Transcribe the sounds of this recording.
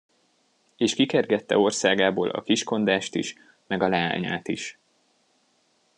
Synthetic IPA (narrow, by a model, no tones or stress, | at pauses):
eːʃkikɛrɡɛt̪ːɛ̰o̞rsaːɡaːboːlʔɒ̰kiʃko̞nd̪aːʃt̪ḭʃ | mɛɡɒlɛa̰ːɲa̰ːt̪iʃ